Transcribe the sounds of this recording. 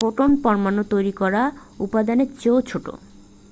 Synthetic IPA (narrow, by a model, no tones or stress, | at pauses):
oʈonpɔɾmanːot̪ojɾikɔɾaupad̪aneɾt͡ɕowt͡ɕʰoʈo̰